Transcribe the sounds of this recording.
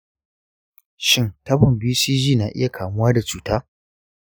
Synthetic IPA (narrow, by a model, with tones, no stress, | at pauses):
ʃɪ˦ntɐ˦bʊ˨mbiː˦siː˦d͡ʒiː˦˨naː˨ʔɪ̰˦ja˨kʰaː˨mʊ˦waː˦da˨t͡ʃuː˦taː˦